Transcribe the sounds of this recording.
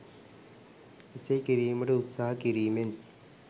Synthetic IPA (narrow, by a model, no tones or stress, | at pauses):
isejkiɾiːmɐɽeut̪saːɦɐkiɾiːmen